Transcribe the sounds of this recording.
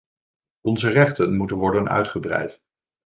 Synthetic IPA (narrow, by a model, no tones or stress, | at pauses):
ɔnzərɛχtənmutənʋɔɹdənœ̰ɥtχəbrɛ̰jt